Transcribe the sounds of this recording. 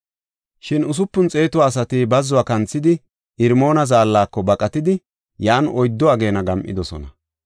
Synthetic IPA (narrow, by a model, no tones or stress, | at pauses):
ʃɪnʊs̬ʊpːʊnt͡sʼe̞ːt̪ʊwaːs̬ɐt̪ɪbɐzːʊaːkɐnt͡sːɪd̪ɪ | ɪɾmo̞ːnɐzaːlːaːkːɔbɐkʼɐt̪ɪd̪ɪ | jaːnɔjd̪ːɔaɡe̞ːnɐɡɐmʔɪ̰d̪ɔsɔ̰nɐ